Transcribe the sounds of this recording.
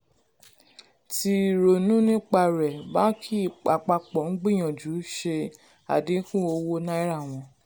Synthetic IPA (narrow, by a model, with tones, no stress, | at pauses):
ti˧˨ɾo˨nũ˦nĩ˦k͡pa˧ɾɛ˨ba˦kʰi˦˨k͡pa˨k͡pa˧k͡pɔ˨ŋ̩˦ɡ͡bĩ˦˨j̃ã˨d͡ʒu˨˦ʃe˧ | a̰˨di˨˦kũ˦o˧wo˦nã˦i˦ɾa˦˨w̃ɔ̃˧